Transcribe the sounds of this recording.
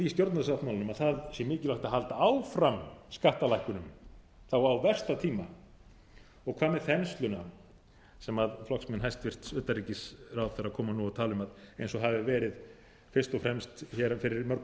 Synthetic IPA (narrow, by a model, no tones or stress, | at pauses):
ist̪jɔɾt̪naðsaht̪mawlɪnʏmaðθaðsjɛmɪːcɪlaht̪aɦalt̪aaːwfɾamskaht̪alajhkʏnʏm | θawawvɛr̥st̪at̪ʰiːma | ɔɣkʰv̥aːmɛɾ̥θɛnst̪lʏna | sɛmaðflɔksmɛnɦajst̪vɪr̥t̪sʏt̪ariːcɪsrawðθɛɾakʰɔːmanuawt̪ʰaːlʏmaðejnsɔɣɦavɪvɛːɾɪð | fɪr̥st̪ɔfɾɛmst̪çɛɾafɪɾɪɾmœɾk